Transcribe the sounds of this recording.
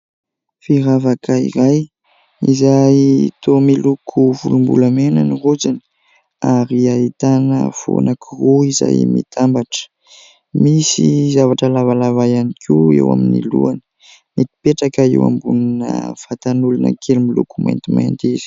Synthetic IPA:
fiɾavakaḭɾaj | izajt̪omilukʰuvulumbulamenənirud͡ʒini̥ | aɾiait̪anə̰v̥o̰nakʰiruiza̰jmit̪ʰambaʈ͡ʂə̥ | misizavaʈ͡ʂəlavalavajanikʲʰiḛwa̰minilṵanə̥ | met̪i̥peʈ͡ʂakaḛwa̰mbuninə̰fat̪anulanə̰kʰelmilukuma̰jnt̪ima̰nt̪izi̥

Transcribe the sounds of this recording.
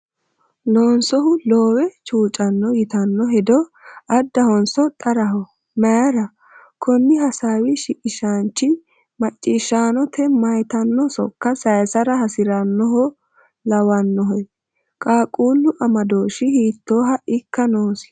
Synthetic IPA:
loːnsɔɦʊloːwɛt͡ʃuːt͡ʃʼɐnːɔjɪt̪ɐnːɔɦɛd̪ɔɐd̪ːɐhɔnsɔt̪ʼɐɾɐɦɔ | mɐɾɐ | kʰɔnːɪhɐsaːwɪʃɪkʼɪʃant͡ʃːɪ | mɐt͡ʃʼːɪʃːaːnɔt̪ʰɛmɐjt̪ɐnːɔsɔ̰kːɐsɐjsɐɾɐhɐsɪɾɐnːɔɦɔ | lɐwɐnːɔɦɔj | kʼaːkʼuːlːʊʔɐmɐd̪oːʃɪhiːt̪ːo̞ːɦɐʔɪkːɐnoːsɪ̥

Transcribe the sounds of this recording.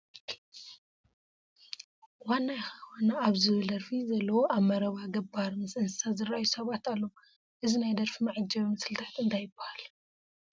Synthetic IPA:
wanːajɪxɐxonaaβzɨβɨld̪ɐɾfizɐlːɐwoʔaβmɐɾɐβaɡɐbaɾmɨsɨnsɨsazɨrajusɐβat̪alːow | ʔɨzinajd̪ɐɾfimɐʕɨd͡ʒɐβmɐsɨlt̪ʰat̪ɨnt̪ʰajɪbːḁhal

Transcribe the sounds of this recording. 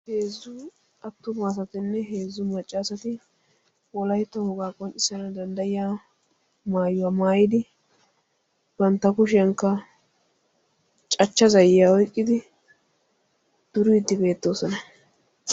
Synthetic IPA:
he̞ːzːʊ | ɐt̪ːʊmaːs̬ɐt̪ɪnːɛɦeːzːʊmɐt͡ʃʼːaːsɐt̪ɪ | wɔlɐjt̪ːɔhɔɡaːkʼɔnt͡ʃʼɪsɐnɐd̪ɐnd̪ɐjɪjaː | maːjʊwamaːjɪd̪ɪ | b̥ɐnt̪ːɐkʊʃɪɐŋkːɐ | t͡ʃʼɐt͡ʃːɐzɐjːaːɔjkʼːɪd̪ɪ | d̪̥ʊɾʊɪd̪ːɪbe̞ːt̪ːo̞ːsɔnɐ

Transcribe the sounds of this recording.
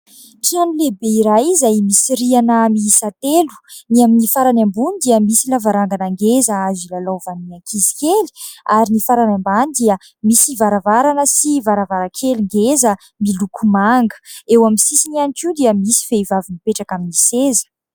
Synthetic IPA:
ʈ͡ʂianilebeiɾajizajmisiɾianəmiisat̪elu̥niaminifaɾanambunid̪iəmisilavaɾaŋɡanaŋɡezəazilalowvaninakʰizi̥kʲeliaɾinifaɾanambanid̪iə | misivaɾavaɾanəsivaɾavaɾakʰeliŋɡezə | milukʰumaŋɡə̥ewamisisinianikiud̪iəmisi̥feivavinipeʈ͡ʂakaminisezə̥

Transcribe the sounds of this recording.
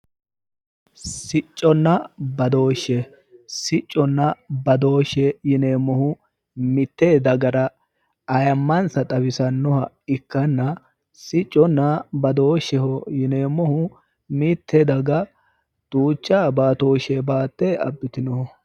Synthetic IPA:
sɪt͡ʃʼːɔnːɐbɐd̪o̞ːʃːɛ | sɪt͡ʃʼːɔnːɐbɐd̪o̞ːʃɛjɪneːmːɔhʊ | mɪt̪ːeːd̪ɐɡɐɾɐ | ɐjɐmːɐnsɐt̪ʼɐbɪsɐnːɔhɐ | ɪkːɐnːɐ | sɪt͡ʃʼːɔnːɐbɐd̪o̞ːʃɛhɔjɪneːmːɔhʊ | mɪt̪ːɛd̪ɐɡɐ | t̪ʼuːt͡ʃːaːbaːt̪o̞ːʃɛbaːt̪ːeɐ̰bːɪt̪ɪnɔhɔ

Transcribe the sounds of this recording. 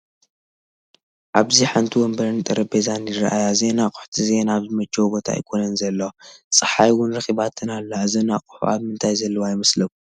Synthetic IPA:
ʔaβziħant̪ʰiwɔmbɐɾɨnt̪ʼɐɾɐbezanjɪɾaʔajaze̞nakʼʊ̥ħt̪ʰize̞naβzɨmɐt͡ʃʼːɛwbo̞t̪ʰa̰jkʰonɐnzɐlːɐsʼɨħajwʊnɾɐxiβat̪ʰɨnalːɐzɐnakʼu̥ħṵʔaβmɨnt̪ʰajzɐlːɐwajmɐslɐku

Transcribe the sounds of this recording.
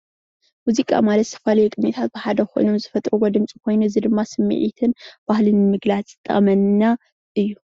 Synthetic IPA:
muzikʼa̰malɐt̪sʰɐ̥falɐjukʼɨɲit̪ʰat̪̚bɨħad̪ɐxʰo̞̰jno̞mzɨfɐt̪ʼɾuɡɔd̪ɨmt͡sʼikʰo̞jnuɨzid̪ɨmːasɨmːɨ̰ʕḭt̪ʰɨnb̥ahlɨnmɨɡlat͡sʼt̪ʼːɐ̰mɐnna | ʔɨjːu

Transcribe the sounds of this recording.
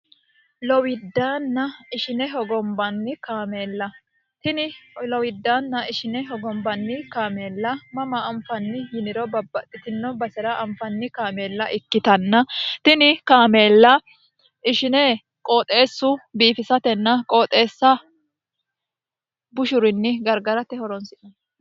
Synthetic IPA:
lɔwɪd̪ːaːnːɐɪʃɪnɛɦɔɡɔmbɐnːɪkaːmeːlːɐ | t̪ɪnɪlɔwɪd̪ːaːnːɐɪʃɪnɛɦɔɡɔmbɐnːɪkaːme̞ːlːɐmɐmɐːmfɐnːɪjɪnɪɾɔbɐbːɐt̪ʼːɪt̪ɪnːɔbɐsɛɾɐʔɐmfɐnːɪkaːme̞ːlːɐʔɪkːɪt̪ɐnːɐt̪ɪnɪkaːme̞ːlːɐ | ʔɪʃɪnɛ | kʼo̞ːt̪ʼe̞ːsːʊbiːfɪsɐt̪ɛnːɐkʼo̞ːt̪ʼe̞ːsːɐ | bʊʃʊɾɪnːɪɡɐɾɡɐɾɐt̪ɛhɔɾɔnsɪʔɔn

